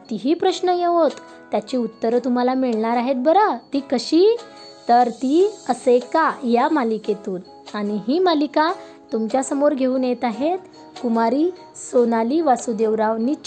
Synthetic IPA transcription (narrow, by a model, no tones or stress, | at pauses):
t̪iɦipɾəɕnəjeʋot̪ː | jat͡ɕiut̪ːəɾt̪um̤alamiɭɳaɾaɦet̪̚bəɾat̪ikəɕi | t̪əɾt̪iəsekajamaliket̪uːn | aɽ̃iɦiːmalika | t̪umt͡ɕjasəmoɾɡʱeuːnjet̪aɦet̪ | kumaɾiː | sonaliʋasud̪eʋɾaʋnit͡ɕ